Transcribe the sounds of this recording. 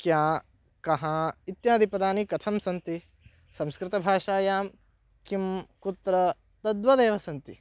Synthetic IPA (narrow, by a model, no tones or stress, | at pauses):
kjaː | kɐɦait̪jaːd̪ʱipɐd̪aːnikɐt̪ʰɐmsɐnt̪i | sɐmskɾɪt̪ɐbʱaːʂaːjaːm | kimkut̪ɾɐ | t̪ɐd̪ʋɐd̪eːʋɐsɐnt̪ḭ